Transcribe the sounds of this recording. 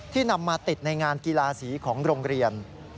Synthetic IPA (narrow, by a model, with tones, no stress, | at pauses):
t̪ʰiː˥˩na˧mːaː˧t̪i˨˩t̪̚na˧jŋaː˧nkiː˧laː˧siː˩˦kʰɔː˩˦ŋɾoː˧ŋɾi˧ən